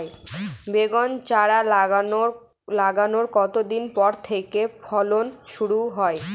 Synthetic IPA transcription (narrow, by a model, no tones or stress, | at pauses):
ebeɡɔnt͡ɕaɾalo | laɡanoɾkɔt̪od̪inpɔɾt̪ʰekepʰɔlonʃuɾuɦɔe